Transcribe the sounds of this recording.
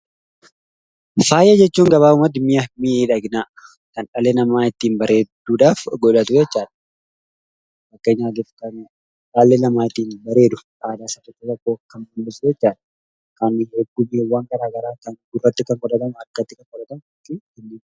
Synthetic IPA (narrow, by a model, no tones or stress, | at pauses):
faːjɐd͡ʒɛt͡ʃːuːŋɡɐβaːʊmɐd̪mɪjɐmɪeːᶑɐɡnaː | kɐnᶑɐleːnɐmaːɪt̪ːiːnbɐɾe̞ːd̪̥uːᶑaːfɡɔᶑɐt̪ʊd͡ʒɛt͡ʃːaːᶑɐ̥ | ɐkːɐɪɲaːd̪iːfkɐn | ᶑalːenɐmaːɪt̪ːiːnbɐɾe̞ːd̪ʊ̥ | aːd̪aːsɐt̪ːʊt͡ʃːɐt̪ɔkːoːkɐnbunbɪsʊd͡ʒɛt͡ʃːaːᶑɐ̥ | kɐnhɛɡːʊmiwːaŋɡɐɾaːɡɐɾaːkɐnɡʊrːɐt̪ːɪkɐŋɡʼɔᶑɐt̪ɐmʊɐkːɐt̪ːɪkɐŋkʼɔᶑɐt̪ɐmʊtːɪkɛnːɪːn